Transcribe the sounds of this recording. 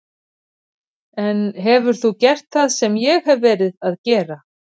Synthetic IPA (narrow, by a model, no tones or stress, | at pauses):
ɛnɦɛvʏɾ̥θucɛr̥t̪θaðsɛmjɛɣhɛvːɛːɾɪðaðcɛːɾa